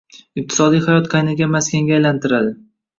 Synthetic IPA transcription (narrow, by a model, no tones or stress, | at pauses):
ɪq̚t̪ʰɪ̥sɒd̪ijhajɒt̪qʰajnɪɡʲamaskʲaŋɡʲaːjlant̪ɪɾad̪ɪ